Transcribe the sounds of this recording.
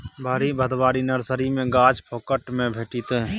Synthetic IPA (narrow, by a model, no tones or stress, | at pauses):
bʱaːɾibəd̪ʱʋaːɾinəɾsəɾimẽɡaːt͡ʃpʰoːkəʈmẽbʱeːʈit̪e